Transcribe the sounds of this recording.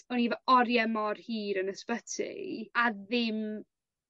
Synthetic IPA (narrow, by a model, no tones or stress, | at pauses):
ɔnivɛɔɾjɛmɔrhiːɾənəspətʰɪ̰aðɪm